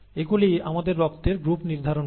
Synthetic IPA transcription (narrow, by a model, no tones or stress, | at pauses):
eɡuliamad̪eɾːɔkt̪eɾɡɾupniɾd̪ʱaɾon